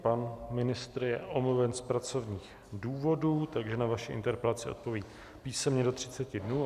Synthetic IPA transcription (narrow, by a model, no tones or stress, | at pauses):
panmɪnɪst̪ɾjɛʔomluvɛnspɾat͡so̞vɲiːx | duːvo̞duːt̪aɡʒɛnavaʃɪʔɪ̰nt̪ɛɾpɛlat͡sɪo̞̰t̪̚po̞viː | piːsɛmɲɛdo̞t̪r̝̥ɪt͡sɛcɪdnuː